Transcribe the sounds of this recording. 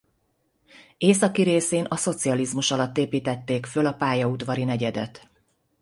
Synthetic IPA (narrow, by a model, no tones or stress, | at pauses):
eːsɒkiɾeːseːnɒso̞t̪siɒlizmuʃɒlɒt̪ːeːpiːt̪ɛt̪ːeːkfølɒpaːjɒud̪ʋɒɾinɛɟɛd̪ɛ̰t̪